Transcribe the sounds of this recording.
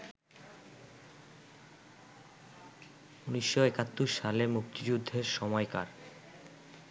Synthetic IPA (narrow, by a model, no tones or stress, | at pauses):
uniʃːoekat̪ːuʃːalemukt̪id͡ʑud̪ʱːeɾʃɔmɔeka̰ɾ